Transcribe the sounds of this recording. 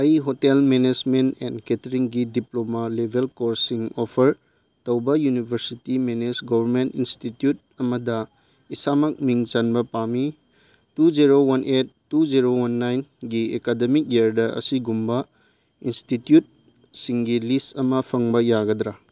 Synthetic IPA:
ɐjɦotelmened͡ʒmentɛ̰ndketɾiŋɡidiplomalebʱelkoɾsiŋopʰɐɾ | tɐwbɐjunibʱɐɾsitimenesɡobʱɐɾmentinstitjut̚ɐmɐdɐ | isamɐk̚miŋt͡ʃanbɐpami | tud͡ʒiɾowɐnʔet̚ːud͡ʒiɾowanːajnɡiekademik̚jeɾdɐʔɐ̰siɡumbɐ | institjut̚ | siŋɡilistɐmɐpʰɐŋbɐjaɡɐd̪ɾa

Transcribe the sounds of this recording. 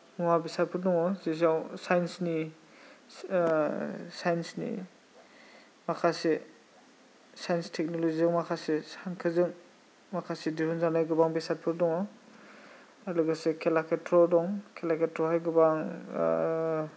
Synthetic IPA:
muwabisat̚pʰɯɾdɔŋɔzizawsajnsni | sajnsnḭ | makʰase | sajnstʰɛk̚nɔloziɯŋmakʰasesankʰɯzɯŋ | makʰasediɦunzanajɡɯbaŋbisat̚pʰɯɾdɔŋɔ | alɯɡasekʰelakʰetʰɾɔdɔŋkʰelakʰetɾɔhajɡɯbaŋ

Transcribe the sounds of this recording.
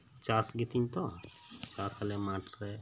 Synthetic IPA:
t͡ʃaːsɡɪt̪iɲt̪ɔt͡ʃaːskalemaːʈɾɛ

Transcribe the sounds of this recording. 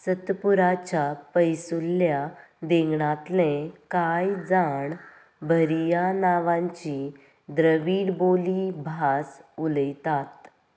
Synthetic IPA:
sət̪puɾat͡ɕapəjsulːjad̪eŋɡɳat̪lẽkajd͡zaɳ | bʱəɾjanaʋãɲt͡ɕi | d̪ɾəʋiːɽbolibʱasuləjt̪at̪

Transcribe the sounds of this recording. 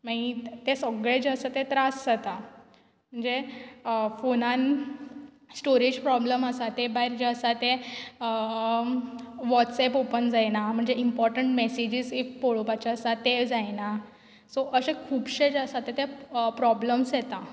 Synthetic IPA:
mait̪esəɡɭed͡ʑeəsat̪et̪ɾasat̪a | m̤əɳd͡ze | fonan | sʈoɾid͡ʑpɾɔbləməsat̪ebaɦiɾd͡ʑeəsat̪eə | ʋɔʈsepopənd͡zajnam̤əɳd͡zeimpɔɾʈəɳʈmesid͡ʑiːzifpoɭopat͡ɕaəsat̪ed͡zajna | sɔʔəsẽkʰuːbɕed͡ʑəsat̪ːet̪epɾɔbləmsjet̪a

